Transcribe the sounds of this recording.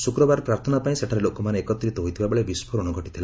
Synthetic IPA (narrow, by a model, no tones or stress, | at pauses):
sukɾɔbaɾɔpɾaɾt̪ʰɔnapaĩseʈʰaɾelokɔmaneːkɔt̪ɾit̪ɔɦojt̪ʰibabeɭebispʰoɾɔɽ̃ɔɡʱɔʈit̪ʰila